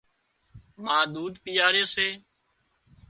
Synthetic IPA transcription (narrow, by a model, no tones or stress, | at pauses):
mãːd̪uːd̪pɪjaːɾeːseː